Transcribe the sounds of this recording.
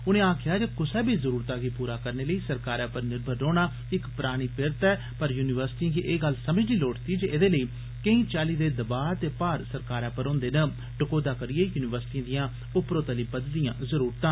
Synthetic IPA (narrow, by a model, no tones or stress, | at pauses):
ʊnẽːaːkʰɪjaːd͡ʒeːkʊsɛːbʱiːzəɾuːɾt̪aːɡiːpuːɾaːkəɾneːləiːsəɾkaːɾãːpəɾnɪɾbʱəɾːoːɽ̃aː | ɪkpəɾaːɽ̃iːpɪɾt̪ɛː | pəɾjuːnɪʋəɾsɪ̥ʈiãːkiʔeːɡəlsəməd͡ʒliːloːʈt̪iːd͡ʒeːʔed̪eːləiː | kəĩːt͡ʃaːliːd̪eːd̪əbaːt̪eːpaːɾsəɾkaːɾãːpəɾõːnd̪eːnə | ɖəkoːd̪aːkəɾɪeːjuːnɪʋəɾsʈiãːd̪ɪjãː | ʊpɾoːt̪əliːbəd̪d̪ɪjãːzəɾuːɾt̪ãː